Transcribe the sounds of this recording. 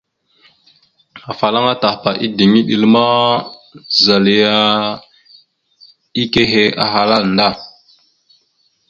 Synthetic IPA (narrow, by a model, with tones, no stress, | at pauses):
a˨fa˨la˦ŋa˦ta˨hpa˨ʔi˦di˨ŋi˦ɗi˨lma˦ | za˨li˨˦ja˦ | i˦ke˦ɦe˦a̰˨ɦa˨la˦˨nda˦˨